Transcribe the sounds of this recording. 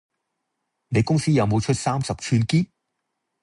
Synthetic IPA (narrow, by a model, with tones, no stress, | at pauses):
ne˨˧jkʊ˥ŋsiː˥jɐ˨˧wmo˨˧wt͡ʃʰɵ˥t̚saː˥msɐ˨p̚t͡ʃʰyː˥nkiː˥n